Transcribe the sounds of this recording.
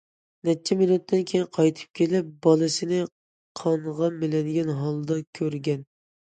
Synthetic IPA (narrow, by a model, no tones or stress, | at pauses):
nɛt͡ʃʰːɛminut̪ʰːɪnkʲʰejinqʰɑjt̪ʰɨ̥p̚kʲʰelɪp̚bɑlˠɨsɪnɪ | qʰɑɴʁɑmɪlɛd̪ɪɡʲɛnɦɑlˠd̪ɑkʲʰøɾɡʲɛn